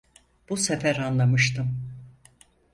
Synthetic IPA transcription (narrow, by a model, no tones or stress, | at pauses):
b̥usefæɾanlˠamɯʃt̪ʰɯm